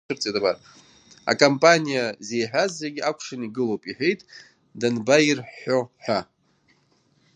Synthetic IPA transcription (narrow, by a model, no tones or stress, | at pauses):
ɨrt͡sʼetʼabar | a̰kʼompʼanʲijaze̞jħᶣʷazːeɡʲiakʷʰʂɨniɡɨlowpʼiħʷᶣejtʼ | danbairħo̞ħʷᶣa